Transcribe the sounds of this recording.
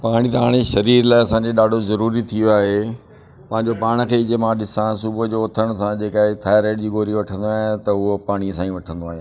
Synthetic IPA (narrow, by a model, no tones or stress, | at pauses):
paːɽ̃it̪ɐɦaːɽ̃eʃɐɾiːɾlaːɪɐsãːɲd͡ʑeɗaːɖʱozɐɾuːɾit̪ʰijoaːɦe | pɐ̃ɦɪ̃ɲd͡ʑopaːɽ̃ə̆kʰeːɪd͡ʑemãɗɪsãsʊbʊd͡ʑoːt̪ʰəɽ̃sãd͡ʑeːkaːɪt̪ʰaːjɾeːɖd͡ʑiːɡoːɾiʋɐʈʰə̃nd̪oaːɦet̪ɐʊɦopaːɽ̃iəsãːĩʋɐʈʰə̃nd̪oaːɦẽ